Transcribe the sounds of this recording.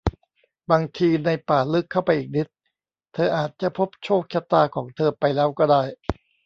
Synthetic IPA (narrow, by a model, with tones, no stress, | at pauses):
baː˧ŋt̪ʰiː˧na˧jpaː˨˩lɯ˦˥kʰːa˥˩wpa˧jʔiː˨˩k̚ni˦˥t̪̚ | t̪ʰɤː˧ʔaː˨˩t̪̚t͡ɕa˨˩pʰo˦˥p̚t͡ɕʰoː˥˩k̚t͡ɕʰa˦˥t̪aː˧kʰɔː˩˦ŋt̪ʰɤː˧pa˧jlɛː˦˥wkɔː˥˩daː˥˩j